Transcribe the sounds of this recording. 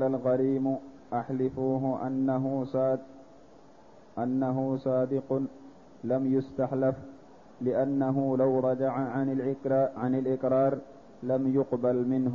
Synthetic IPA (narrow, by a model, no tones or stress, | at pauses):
lalɣaɾiːm | ʔaħlɪfuːɦʊʔa | ʔanːaɦʊsɑːd̪ɪqʊ | lamjʊst̪aħlaf | lɪʔanːaɦʊlawɾˤɑd͡ʒaʕaʕnɪlʕanɪlʔɪkɾˤɑːɾˤ | lamjʊqbalmɪnɦʊ